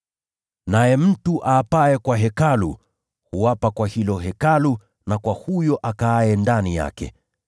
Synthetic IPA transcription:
najɛm̩tuʔaːpaɛkwaɦɛkalṵ | huwapakwahilɔɦɛkalu | nakwahujɔʔakaːɛndanija̰kɛ̰

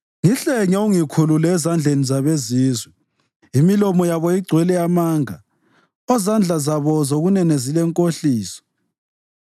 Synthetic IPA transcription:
ŋiɬɛɲɛuŋikʰululɛzand͡ɮʱenizaβeziːzwɛ | imilɔmɔjaβɔiɡ͡ǀʱwɛlɛamaːŋa | ɔzand͡ɮʱazaβɔzoɣunɛnɛzilɛŋkʼoɬiːsɔ̥

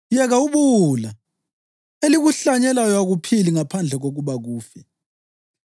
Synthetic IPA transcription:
jɛɣauβuwla | eliɣuɬaɲɛlajɔaɣupʰiliŋapʰand͡ɮʱɛɣoɣuβaɣuːfɛ

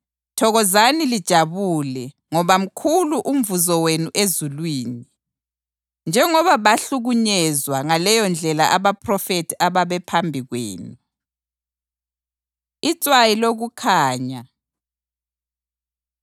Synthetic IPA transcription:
tʰɔɣɔzanilid̥ʒ̥ʱaβulɛ | ŋɔβam̩kʰuluʔum̩vuzɔwenuʔezulwiːni | nd͡ʒʱɛŋɔβaβaɬuɣuɲɛzwaŋalɛjɔnd͡ɮʱɛlaʔaβapʰrɔfetʰiaβaβɛpʰambʱiɣwḛːnu | it͡sʼwajiloɣukʰaːɲa

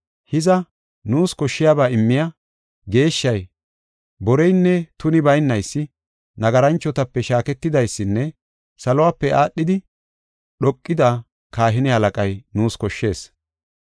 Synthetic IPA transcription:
hɪzɐ | nuːskɔʃːɪjaːbaːɪmːɪja | ɡe̞ːʃːɐj | bɔɾɛjnːɛt̪ʊnɪbɐjnːɐjsːɪ | nɐɡɐɾɐnt͡ʃːɔt̪ɐpːɛʃaːkɛt̪ːɪd̪ɐjsːɪnːɛ | sɐlɔwaːpːɛʔaːɗːɪd̪ɪ | ɗɔkʼːɪd̪a | kaːɦɪnɛhɐlɐkʼɐjnuːskɔʃːe̞ːs

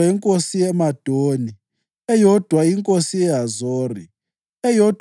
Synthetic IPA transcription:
ɛŋkʼosijɛmad̥ʱoːni | ɛjɔd̥ʱwaiŋkʼosijɛɦazoːri | ɛjɔd̥ʱ

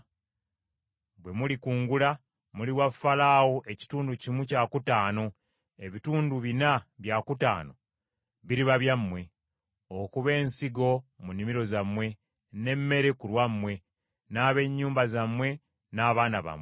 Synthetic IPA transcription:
bwe̞mulikuːŋɡula | muliwafːalaːwoʔe̞ci̥tuːnducimucaːkutaːno̞ | e̞βituːnduβinaβjakuta̰ːno̞ | βiɾiβaβjamːwe̞ | okuβe̞ːnsiɡo̞munːimiɾo̞zamːwe̞ | ne̞mːe̞ɾekulwamːwe̞ | naːβe̞ɲːuːmbazamwe̞ | naːβaːnaβa̰mwe

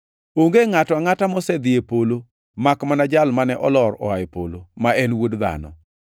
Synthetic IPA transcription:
oŋɡeŋatwaŋatamɔsɛd̪ɪepolo | makmanad͡ʒalmanɛʔɔlɔɾɔ̰ajpo̰lomaɛnwodd̪a̰nɔ̰

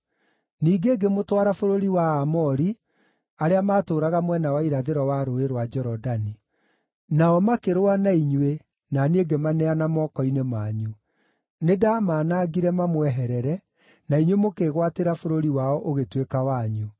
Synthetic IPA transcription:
niːɡeːɡemotwaɾafoɾoɾiwaamɔɾi | aɾeamaːtoːɾaɣamwɛnawaiɾaðeɾɔwaɾoeɾwad͡ʒɛɾɔdani | naɔmakeɾoanaiɲwe | naneɡemanɛanamɔkɔinemaːɲu | nedamaːnaːɡiɾɛmamwɛɦɛɾɛɾɛ | naiɲwemokeɣwateɾafoɾoɾiwaɔʔoɣetwekawaːɲu

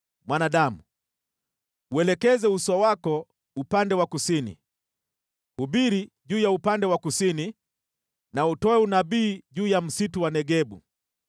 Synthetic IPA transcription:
mwanaɗamu | uɛlɛkɛzɛusɔwakɔ | upandɛwakusinḭ | huɓiɾi | ʄuːjaupandɛwakusini | nautɔɛunaɓiːʄuːjam̩situwanɛɡɛɓṵ

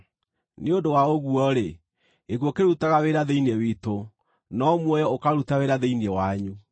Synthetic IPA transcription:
neodowaoɣuɔɾe | eɣwokeɾutaɣaweɾaðeinewito | nɔmwɔjɔokaɾutaweɾaðeiniɛwaɲu

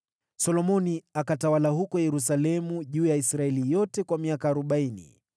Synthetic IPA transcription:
sɔlɔmɔniakatawalaɦukɔjɛɾus̬alɛmuʄuːjaisɾaɛlijɔtɛkwamiakaːɾuɓainḭ

